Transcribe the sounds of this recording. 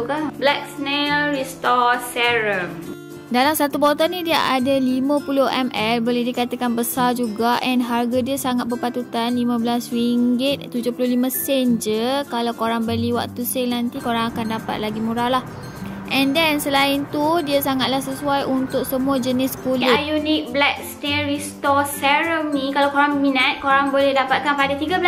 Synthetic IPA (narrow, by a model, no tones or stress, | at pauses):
kablɛk̚snɛlrist̪ɔsɛɾəm | dalamsat̪ubot̪anĩdiaʔadalimə̃pulʊhʔɛmɛlboledikat̪akanbəsard͡ʒuɡaʔɛnɦarɡadiəsaŋat̪̚bərpat̪ut̪anlimə̃bəlaswiŋɡɪt̪̚t̪ːud͡ʒʊhpulʊhlimə̃sɛnd͡ʒəkalawkoɾaŋbəliwa̰k̚t̪usenant̪ikoɾaŋakandapa̰t̪̚laɡimuɾalah | ʔɛndɛnsəlaɪnt̪udiasaŋat̪̚lahsəsuajʔunt̪ʊk̚səmũad͡ʒənɪskulɪjunɪk̚blak̚st̪eɾist̪ɔsɛɾəmnĩkalawkoɾaŋminat̪̚koɾaŋbolɛhdapat̪̚kanpadat̪iɡabl